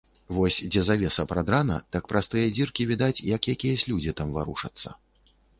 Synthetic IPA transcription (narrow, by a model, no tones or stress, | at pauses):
vɔsʲd͡zʲɛzavʲɛsɐpɾad̪ɾanɐ̰t̪ɐk̚pɾʔast̪ɨjɐd͡zʲirkʲivʲid̪at͡sʲjakʲijɐkʲijɐsʲlʲud͡zʲit̪amvaɾuʂɐ̰t̪sːɐ̰